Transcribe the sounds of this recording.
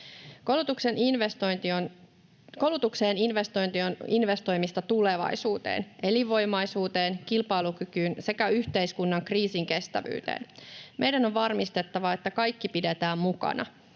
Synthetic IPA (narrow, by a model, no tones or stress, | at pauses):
kolut̪ukse̞ninʋest̪ont̪ion | kowlut̪ukse̞ːninʋest̪ojnt̪ioninʋe̞st̪o̞jmist̪ɑt̪ule̞ʋɑ̰jsuːt̪ḛːnʔe̞liʋo̞jmɑjsuːt̪e̞ːnkilpɑjlukykyːnse̞kæyçt̪e̞jskunːɑŋkriːsiŋke̞st̪æ̰ʋy̰ːt̪ḛːnmʔe̞jdæno̞ʋʋɑrmist̪e̞t̪ːɑʋɑe̞t̪ːækɑjkːipide̞t̪æːmmukɑ̰nɑ̰